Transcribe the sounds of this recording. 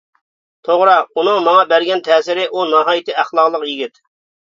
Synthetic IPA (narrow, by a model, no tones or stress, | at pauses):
t̪ʰoʁɾɑunɨŋmɑŋɑbæɾɡʲɛnt̪ʰɛːsɪɾɪʔunɑɦɑːjit̪ʰɨæχlˠɑqlˠəqjiɡʲit̪